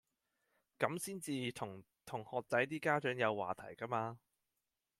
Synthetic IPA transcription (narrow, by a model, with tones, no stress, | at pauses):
kɐ˨˥msiː˥nt͡siː˧t̪ʰʊ˨˩ŋ | t̪ʰʊ˨˩ŋhɔː˨k̚t͡sɐ˨˥jt̪̬iː˥kaː˥t͡ʃœː˨˥ŋjɐ˨˧wːa̰ː˨t̪ʰɐ̰˨˩jkɐ˥maː˧